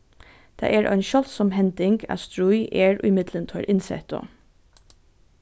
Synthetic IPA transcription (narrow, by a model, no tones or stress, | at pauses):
d̪̥æ̰ʔeːɹʔœ̰ɪnʃɔlt̪sɔmhɛnd̪ɪŋɡɑ̰st̪ɹuʏʔeːɹʔɪmɪd̪lənt̪ʰœːɹʔɪnsɛ̰t̪ɔ̰